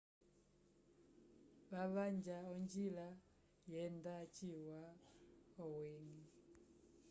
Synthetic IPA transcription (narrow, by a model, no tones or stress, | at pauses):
βaβaɲd͡ʒaɔɲd͡ʒila | jɛndat͡ʃiwa | ɔwɛŋi